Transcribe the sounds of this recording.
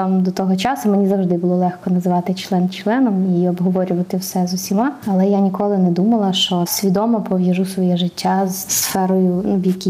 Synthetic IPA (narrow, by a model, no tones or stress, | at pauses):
amd̪ɔt̪ɔɦɔt͡ʃɑsʊmenʲizɐwʐd̪ɪbʊlˠɔlˠɛxkɔnɐzʋɑt̪ɪt͡ʃlˠɛnt͡ʃlˠɛnɔmiɔbɦɔʋɔɾʲʊʋɐt̪ɪwsɛzʊsʲimɑɐlˠɛjanʲikɔlˠɪnɛd̪umɐlˠɐʃt͡ʃɔsʲʋʲid̪ɔmɐpɔʋjɐʒusʋɔjɛʒɪtʲːazsfɛɾɔjʊubjɐkʲi